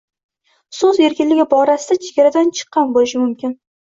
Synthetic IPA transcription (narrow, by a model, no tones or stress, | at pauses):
sɵze̞ɾkʲɪnlɪɡʲɪbɒɾasɪd̪at͡ʃʰeɡʲaɾad̪ant͡ʃʰɨ̥qːɑnbolɪʃɪmʊmkʲʰɪn